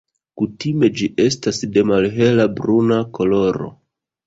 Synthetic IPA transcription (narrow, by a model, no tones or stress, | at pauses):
kutime̞d͡ʒiʔe̞stasde̞malɦe̞labɾunako̞lo̞ɾo̞̰